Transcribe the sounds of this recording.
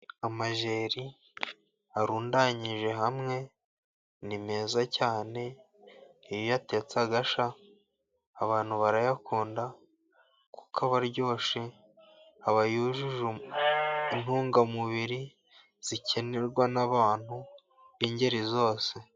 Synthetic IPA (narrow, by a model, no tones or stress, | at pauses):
amaʒe̞ːɾi | aɾuːndaɲiʒe̞ɦamŋe̞ | nime̞ːzacaːne̞ | ijojate̞t͡saɡaʃaː | βaːn̥huβaɾajakuːnda | ku̥kʰaβaɾɟo̞ːʃe | aβajuʒuʒu | in̥huːŋɡamuβiɾi | z̥icʰe̞neɾɡwanaβaːn̥hu | βiːɲɟe̞ɾizo̞ːse̞